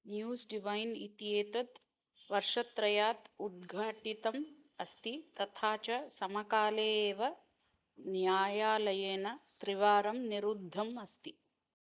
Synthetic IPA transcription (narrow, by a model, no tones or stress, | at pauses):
njuːsɖiʋɐjnit̪ijeːt̪ɐt̪ | ʋɐɾʂɐt̪ɾɐjaːt̪ud̪̚ɡʱaːʈit̪ɐm | ɐst̪it̪ɐt̪ʰaːt͡ʃɐsɐmɐkaːleːʋɐ | njaːjaːlɐjeːnɐt̪ɾiʋaːɾɐmniɾud̪ʱːɐmɐst̪i